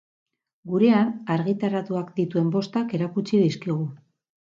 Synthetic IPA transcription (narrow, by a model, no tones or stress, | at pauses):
ɡuɾe̞anaɾɣit̪aɾat̪uakd̪it̪ue̞mbo̞st̪ake̞ɾakut͡sið̞iskiɣ̞u